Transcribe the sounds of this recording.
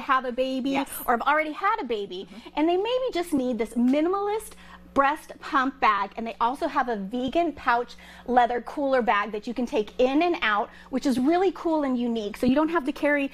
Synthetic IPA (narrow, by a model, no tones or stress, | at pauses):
əvɨbeɪbiʔə˞ɨvl̩ˠɹɛɾiəɾɨbeɪbiʔɨ̃nðeɪmeɪbid͡ʒʌsⁿnid̪̚ðɪsmɪ̃nəml̩ˠɪst | b̥ɹɛstpʰʌ̃mp̚b̥æɡɨ̃nðeɪʔɔlˠsoʊəvɨviɡɨ̃npʰaʊt͡ʃ | lɛðə˞kʰulˠə˞bæɡ̚ðɨt͡ʃɨkɨ̃n̩tʰeɪkɪ̃nɨ̃naʊt̚ | wɨt͡ʃɨzɹɪlˠikʰulˠɨ̃njʉniksoʊjɨɾõʊ̃nt̚ɦæftɨkʰɛɹi